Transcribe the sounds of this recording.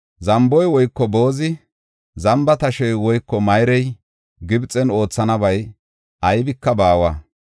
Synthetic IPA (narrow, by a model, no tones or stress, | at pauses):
zɐmbɔjwɔjkːɔbo̞ːzɪ | zɐmbɐt̪ɐʃɛjwɔjkːɔmɐjɾɛj | ɡɪbt͡sʼɛno̞ːt͡sːɐnɐbɐj | ʔɐjbɪkːɐbaːwaː